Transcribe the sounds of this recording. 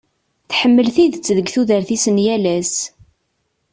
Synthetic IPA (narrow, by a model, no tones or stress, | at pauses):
θħəmːəlθiðt͡sːðəɡθuðəɾθisənjælæs